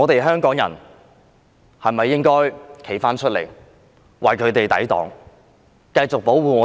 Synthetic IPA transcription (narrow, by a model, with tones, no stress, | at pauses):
ŋɔː˨˧t̪e˨jɦœː˥ŋkɔː˨˥ŋjɐ̰˨˩n | hɐ˨mɐ˨jːɪ˥ŋkɔː˥jkʰe˨˩jfaː˥nt͡ʃʰɵ˥t̚lḛ˨˩j | wɐ˨jkʰɵ˨˧ɥt̪e˨jt̪ɐ̰˨˥jt̪ɔ̰ː˨˥ŋ | kɐ˧jt͡sʊ˨k̚po˨˥wwuː˨˩ŋɔː˨˧